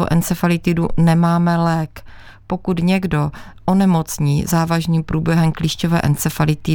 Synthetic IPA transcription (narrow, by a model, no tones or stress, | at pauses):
oʔɛnt͡sɛfalɪt̪ɪdunɛmaːmɛlɛːk | po̞kut̪ɲɛɡdo̞ | ʔonɛmo̞t͡sɲiːzaːvaʒniːmpɾuːbjɛɦɛmkliːʃcovɛ̰ːʔɛnt͡sɛfalɪt̪ɪ